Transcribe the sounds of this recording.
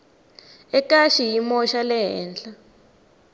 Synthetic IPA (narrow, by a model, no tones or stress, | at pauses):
ɛkaʃijimɔʃalɛɦɛ̰ːnɬa